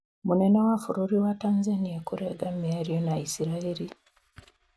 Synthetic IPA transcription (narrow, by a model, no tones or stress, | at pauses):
munenawafuɾuɾiwatanzanijakuɾeɡamiaɾionaisiɾaeɾi